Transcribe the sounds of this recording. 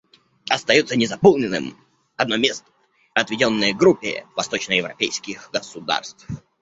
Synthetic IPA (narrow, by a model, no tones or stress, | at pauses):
ɐst̪ɐjut̪sənʲɪzɐpolˠnʲɪnɨ̰m | ɐd̪̚nomʲest̪ə | ɐt̪vʲɪdʲo̞nːɨjɡɾupʲːɪ̰vɐst̪o̞t͡ɕnəjɪvɾɐ̰pʲejskʲɪxɡəsʊd̪a̰rst̪f